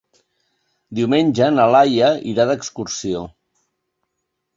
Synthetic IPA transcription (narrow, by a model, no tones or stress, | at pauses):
d̪iwmenʲʒənəlajəiɾaðəkskuɾsio